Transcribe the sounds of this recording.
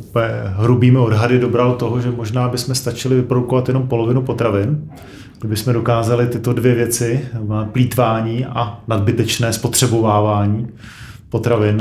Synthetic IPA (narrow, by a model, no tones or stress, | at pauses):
upɲɛɦɾubiːmɪo̞dɦadɪdo̞bɾalt̪o̞ɦoʒɛmo̞ʒnaːbɪsmɛst̪at͡ʃɪlɪvɪpɾo̞dukovat̪jɛno̞mpo̞lo̞vɪnupo̞t̪ɾavɪn | ɡdɪbɪsmɛdo̞kaːzalɪt̪ɪt̪o̞dvjɛvjɛt͡sɪapliːt̪vaːɲiːʔanadbɪt̪ɛt͡ʃnɛːspo̞t̪r̝̥ɛbo̞vaːvaːɲiː | po̞t̪ɾavɪn